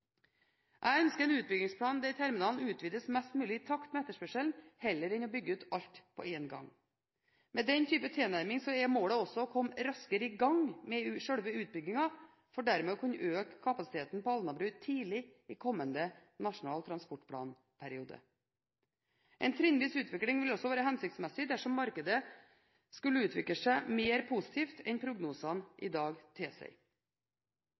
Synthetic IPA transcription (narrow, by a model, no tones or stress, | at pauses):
ʔæɪœnskəɾɛnʉːt̪̚bʏɡɪŋspʰɽɑːnd̪ɛɪt̪ʰæɾmɪnɑːlnʉːt̪ʰʋiːd̪əsmɛst̪mʉːlɪɪt̪ʰɑkt̪mɛɛt̪ːəʂpœʂəlnhɛlːəɾɪnɔbʏɡːəʉːt̪ɑʎt̪pʰɔ̰eːnɡɑ̰ŋ | mɛːd̪ɛnt̪ʰyːpət̪ʰeːnæɾmɪŋsɔɛmoːləɔsɔkʰɔmɾɑskəɾɪɡɑŋmɛʂœɽʋəʉːt̪̚bʏɡɪŋɑ | fɔɖæɾmɛːɔkʰʉnʔøːkʰːɑpɑsɪ̥t̪ʰeːt̪npɔɑlnɑbɾʉːt̪ʰiːlɪɪːkʰɔmːənd̪ənɑʂʊnɑːlt̪ʰɾɑnspɔʈpʰɽɑ̰ːn | pʰæɾɪuːd̪ə̰ | ʔɛ̰nt̪ʰɾɪnʋiːsʉːt̪ʰʋɪklɪŋʋɪlɔsːɔʋæːɾəɦɛnsɪkt̪smɛsɪd̪æʂɔmːɑɾkəd̪ə | skʉlːəʉːt̪ʰʋɪkləʂæɪmeːɾpʰuːsɪ̥t̪ʰiːft̪ʰɛnpʰɾʊɡnuːsɑnʔɪ̰d̪ɑːɡt̪ʰɪlsæ̰ɪ